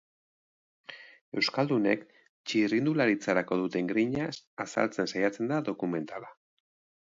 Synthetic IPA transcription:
e̞wskald̪une̞k | t͡ʃirind̪ulaɾit͡saɾako̞ðut̪e̞ŋɡɾiɲasasa̰lt͡se̞nsajat͡se̞nd̪aðo̞kume̞nt̪ala

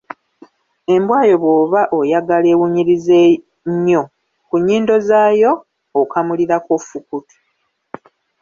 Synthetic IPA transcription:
e̞mbwaːjo̞βwoːβaʔojaɡale̞ːwuɲiɾize | ɲːo̞ | kuɲːiːndo̞zaːjo̞ː | kamuliɾakofukutu̥

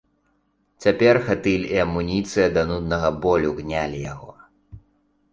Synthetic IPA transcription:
t͡sʲapʲɛrxat̪ɨlʲiɐmːunʲit̪sɨjɐd̪ɐnud̪nɐɣɐbɔlʲuɣnʲalʲija̰ɣɔ̰

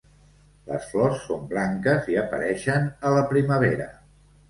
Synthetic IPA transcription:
lə̰sflɔsːombɾaŋkəziəpə̰ɾɛʃənələpɾiməβ̞eɾə

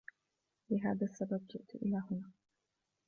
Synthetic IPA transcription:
lɪɦaːðasːabab̚d͡ʒɪʔt̪ʊʔɪ̰laːɦʊnaː

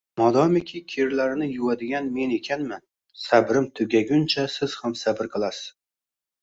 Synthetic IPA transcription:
mɒd̪ɒmekʲʰikʲʰeɾlaɾɪnɪjʊwad̪ɪɡʲanme̞ne̞kʲʰanman | sabɾɪmt̪ʰʊɡʲaɡʲʊnt͡ʃʰasɪz̥hamsabɪɾqʰɨlˠasɪz̥

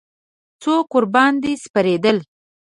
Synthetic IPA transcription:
t͡sokʊɾbɑnd̪espaɾed̪əl

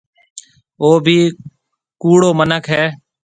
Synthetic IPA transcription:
oːbʱiː | kuːɽoːmənəkʰɦɛː

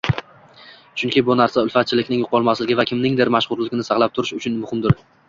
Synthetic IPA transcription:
t͡ʃʰʊŋkʲʰɪbʊnaɾsaʊlˠfat̪̚t͡ʃʰɪlɪkʲnɪŋjʊqʰɒlˠmaslɪɡʲɪvakʲʰɪmnɪŋd̪eɾmaʃʁʊɾlɪɡʲɪnɪsɑqlˠap̚t̪ʰʊɾɪʃʊt͡ʃʰʊnmʊhɪmd̪ɪɾ

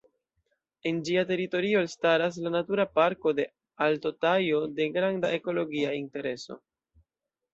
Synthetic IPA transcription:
e̞nd͡ʒiate̞ɾito̞ɾiolstaɾas̬lanatuɾapaɾko̞de̞ | alto̞tajo̞de̞ɡɾandaʔe̞ko̞lo̞ɡiainte̞ɾe̞so̞̰

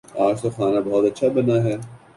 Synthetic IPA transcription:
aːɾsoxaːnabɔːɔt̪ɐtːʃʰabɐnaɦɛː

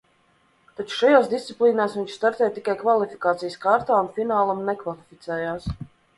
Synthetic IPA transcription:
t̪at͡ʃu̥ʃajaːsd̪ist̪siplˠiːnaːsviɲʃst̪aɾt̪ɛːjt̪ikajkvalˠifi̥kaːt̪sijəskaɾt̪aːunfinaːlˠamnɛkvalˠifʲit̪sɛːjaːs

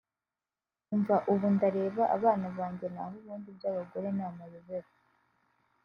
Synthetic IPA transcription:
uɱvaʔuβundaɾe̞ːβaʔaβaːnaβaːɲɟe̞naɦuβuːndibɟaːβaɡo̞ɾe̞naːmaβiβeɾa

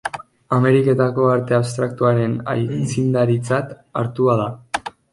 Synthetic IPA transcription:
ame̞ɾiket̪ako̞aɾt̪e̞aβst̪ɾak̚t̪uaɾe̞na̰jt͡sind̪aɾit͡sat̪ | aɾt̪uað̞a

